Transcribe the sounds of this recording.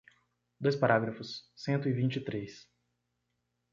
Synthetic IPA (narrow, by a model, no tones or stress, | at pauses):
d̪ojspaɾaɡɾɐfʊsːẽnt̪ʊivĩnt͡ʃɪt̪ɾes